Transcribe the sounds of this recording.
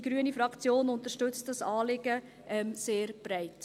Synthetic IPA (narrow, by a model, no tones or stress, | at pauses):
ɡ̥ɾyənifɾɑkt͡sjoːnʊntəʃtʏt͡st̚d̥ɑsɑːlɪɡə | ʔɛmseːɾb̥ɾɛɪt